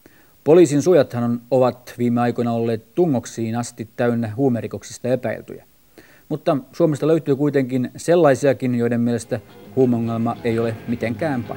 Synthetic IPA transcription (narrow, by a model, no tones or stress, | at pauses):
poliːsinsujɑt̪hɑnonoʋɑt̪ʋiːmːeɑjkojnɑolːeːt̪t̪uŋːo̞ksiːnɑst̪it̪ːæynːeɦuːmeriko̞ksist̪ɑe̞pæ̰ḭlt̪y̰jæ̰ | mut̪ːɑsuomest̪ɑløyt̪yːkuijt̪e̞ŋkinse̞lːɑjsiɑkinjoidemːielest̪æhuːmeoŋːelmɑʔejo̞lemit̪eŋkæːmpɑ̰